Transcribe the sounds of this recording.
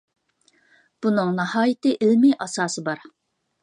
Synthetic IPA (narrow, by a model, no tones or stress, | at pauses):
b̥unɨŋnɨhɑːjɪt̪ɨʔɪlmijʔɑsɑːsɨbɑɾ